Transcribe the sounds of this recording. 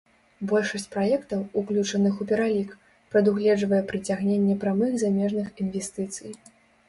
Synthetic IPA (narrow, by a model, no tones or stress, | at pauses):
bɔlʲʂɐsʲt͡sʲpɾajɛkt̪ɐwuklʲut͡ʂɐnɨxupʲɛɾalʲik | pɾɐd̪uɣlʲɛd͡ʐvɐjɛpɾɨt͡sʲaɣnʲenʲːɛpɾamɨɣzamʲɛʐnɨxinvʲɛsʲt̪ɨt̪sɨj